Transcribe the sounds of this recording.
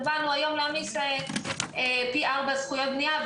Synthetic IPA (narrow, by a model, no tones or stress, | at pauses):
banuajo̞mlamise | epiʔaʁbazχujot̪̚bniav